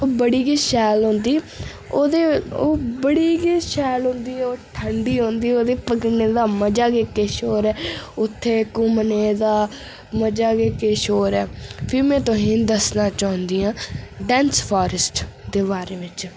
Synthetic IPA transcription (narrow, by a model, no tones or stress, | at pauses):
oːbəɽiːɡiːʃɛːlɦõːnd̪iː | oːd̪eːoːbəɽiːɡiːʃɛːlɦõːnd̪iːɛːoːʈʰəɳɖiːɦõːnd̪iːoːd̪eːpəkneːd̪aːməd͡ʒaːɡeːkeːʃoːɾɛːʊt̪ʰːeːkʊmneːd̪aː | məd͡ʒaːkeːkeːʃoːɾɛːpʰɪɾmɛ̃ːt̪õɦĩːd̪əsnãːt͡ʃaːʊ̃nd̪iːãːɖɛ̃ːnspʰaːɾəsʈd̪eːbaːɾeːʋɪt͡ʃ